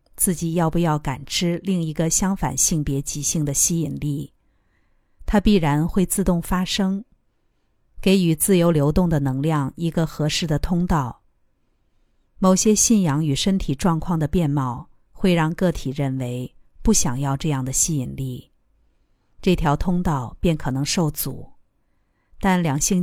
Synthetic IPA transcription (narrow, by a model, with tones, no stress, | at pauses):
t͡sɹ̩˥˩t͡ɕi˨˩jɑ˥˧ʊpu˥˧jɑ˥˩ʊka̰˨˩nʈ͡ʂʰɻ̩˥li˥˩ŋi˧˥ɡə˧ɕjɑ˥ŋfa̰˨˩nɕi˥˩ŋpjɛ˧˥t͡ɕi˧˥ɕi˥˩ŋd̪ə˩ɕi˥i˨˩nli˥˩ | t̪ʰa˥pi˥˩ɻa˧˥nxwe˥˧ɪt͡sɹ̩˥˧t̪ʊ˥˩ŋfa˥ʂɤ˥ŋ | ke˧˥ɪy˨˩t͡sɹ̩˥˩jo˧˥ʊljo˧˥ʊt̪ʊ˥˩ŋd̪ə˩nɤ˧˥ŋljɑ˥˩ŋi˧˥ɡə˧xɤ˧˥ʂɻ̩˥˩d̪ə˩t̪ʰʊ˥ŋt̪ɑ˥˩ʊ | mo˨˩ʊɕjɛ˥ɕi˥˩njɑ˧˥ŋy˨˩ʂə˥nt̪ʰi˨˩ʈ͡ʂwɑ˥˧ŋkʰwɑ˥˩ŋd̪ə˩pjɛ˥˧nmɑ˥˧ʊ | xwe˥˧ɪɻɑ˥˧ŋkɤ˥˩t̪ʰi˨˩ɻə˥˩nwe˧˥ɪpu˥˩ɕjɑ˨˩ŋjɑ˥˧ʊʈ͡ʂɤ˥˧jɑ˥˩ŋd̪ə˩ɕi˥i˨˩nli˥˩ | ʈ͡ʂɤ˥˩t̪ʰjɑ˧˥ʊt̪ʰʊ˥ŋt̪ɑ˥˧ʊpjɛ˥˩nkʰɤ˨˩nɤ˧˥ŋʂo˥˩ʊt͡sṵ˨˩˦ | t̪a˥˩nljɑ˨˩ŋɕi˥˧ŋ